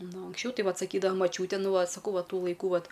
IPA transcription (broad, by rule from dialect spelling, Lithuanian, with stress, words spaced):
ˈnʊ ɐŋksʲˈt͡ʃʲɛʊ ˈtɐɪ ˈʋɐt sɐˈkʲiːdɐʋɐ mɐˈt͡ʃʲuːtʲɛ ˈnʊ ˈʋɐ sɐˈkɐʊ ˈʋɐ ˈtuː lˠɐɪˈkuː ˈʋɐt